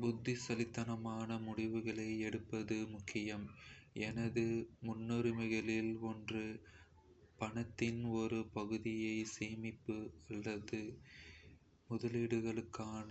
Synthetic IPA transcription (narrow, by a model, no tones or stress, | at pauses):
bʊd̪ːɪsɐlɪt̪ːɐnɐmaːnɐmʊɽɪʋɯɣɐɭɐɪɛɽɯpːɐðɯmʊkʰːɪjɐmɛnɐðɯmʊnːɔɾɪmɐɪɣɐɭɪlɔndrɯ | pɐɳɐt̪ːɪnɔɾɯpɐɣɯðɪjɐɪseːmɪpːɯɐlːɐðɯ | mʊðɐliːɽɯɣɐɭɯkːaːnɐ